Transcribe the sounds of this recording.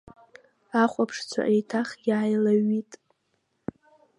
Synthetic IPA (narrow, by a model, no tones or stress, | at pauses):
aχʷʼapʰʂt͡sʷʰa̰ʔejtʰaχjaːjlaɥitʼ